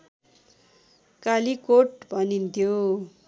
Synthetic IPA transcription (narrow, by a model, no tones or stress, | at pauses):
kalikoʈbʱʌnint̪ʰjo